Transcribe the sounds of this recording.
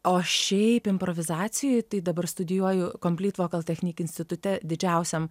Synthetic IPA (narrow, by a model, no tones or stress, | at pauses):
oːʃʲɛɪpɪmpɾoʋʲɪzɑːt̪sʲɪjʊjt̪ɐɪd̪ɐbɐrst̪ʊd̪ʲɪjuɔjʊkoːmʲpʲlʲiːt̪ʋoːkɐlˠt̪ʲɛxʲnʲiːkʲɪnsʲt̪ʲɪt̪ʊt̪ʲɛd̪ʲɪd͡ʒʲɛʊsʲɛm